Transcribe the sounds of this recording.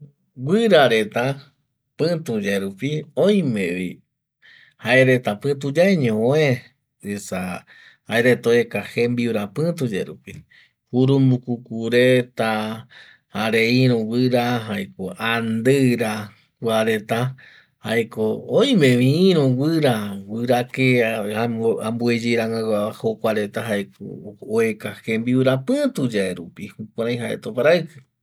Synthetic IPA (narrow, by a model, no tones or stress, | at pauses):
wɨɾaɾe̞t̪a | pɨ̃t̪ũd͡ʒeɾupiõj̃mẽʋḭ | haeɾet̪apɨ̃t̪ud͡ʒaeɲõoẽ | esa | haeɾet̪oekahembiuɾapɨ̃t̪ud͡ʒḛɾupi | huɾumbukukuɾet̪a | haɾeĩɾõwɨɾaɦaekoʔand̪ɨɾa | wʷaɾe̞t̪a | haekooj̃mẽʋĩːɾõwɨɾawɨɾakeaãmbued͡ʒejɾaŋawaahokʷaɾe̞t̪aɦaeko̰oekahe̞mbiuɾapɨ̃t̪ud͡ʒaeɾupihukuɾ̃ãj̃ɦaʔḛt̪opaɾaɨkɨ